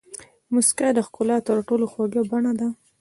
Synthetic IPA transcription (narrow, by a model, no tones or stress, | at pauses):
mʊskad̪əxkʊlɑt̪əɾʈoloxwaɡəbaɳad̪a